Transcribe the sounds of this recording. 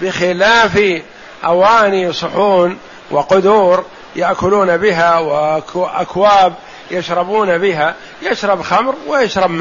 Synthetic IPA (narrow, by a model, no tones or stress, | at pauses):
bɪxɪlaːfi | ʔawaːnisˤʊħuːn | wʔɪqʊd̪uːɾ | jaʔkʊluːnabɪɦawɪʔa̰kwaːb̚ | jaʃɾˤɑbuːnabɪɦa | jɪʃɾˤɑbxamɾwɪjaʃɾˤɑbma